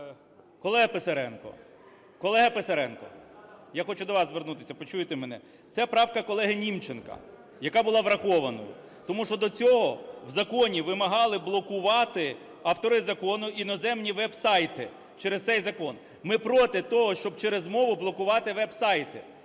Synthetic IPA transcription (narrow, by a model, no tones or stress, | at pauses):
kɔlˠɛɦɐpesɐɾɛnkɔ̰ | kɔlˠɛɦɐpesɐɾɛnkɔ̰jaxɔt͡ʃʊd̪ɔʋɑzzʋernut̪ɪsʲɐpɔt͡ʃujet̪emenɛ̰ | t̪sɛpɾɑwkɐkɔlˠɛɦɪnʲimt͡ʃenkɐ̰ | jɐkɑbʊlˠɑʋɾɐxɔʋɐnɔ̰jʊ̰ | t̪ɔmuʃt͡ʃɔd̪ɔt͡sʲɔɦɔwzɐkɔnʲiʋɪmɐɦɑlˠɪblˠɔkʊʋɑt̪ɪ | ɐwt̪ɔɾɪzɐkɔnʊinɔzɛmnʲiʋɛbsɑjt̪ɪ | t͡ʃeɾest̪sɛjzɐkɔn | mɪpɾɔt̪ɪt̪ɔɦɔʃt͡ʃɔb̚t͡ʃɛɾezmɔʋʊblˠɔkʊʋɑt̪ɪʋɛbsɑjt̪ɪ